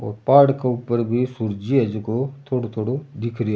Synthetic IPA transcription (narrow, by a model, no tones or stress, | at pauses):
o̰ːɾpaːɾɽkeupəɾbʱisuɾd͡ʒiəd͡ʒkot̪ʰoːɽot̪ʰoːɽod̪ɪkʰɾi